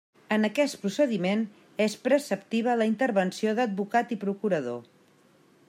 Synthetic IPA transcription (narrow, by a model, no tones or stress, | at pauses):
ənəkɛst̪pɾusəðimen | espɾəsəp̚t̪iβ̞ələint̪əɾβənsioðəd̪̚bukat̪ipɾukuɾəðo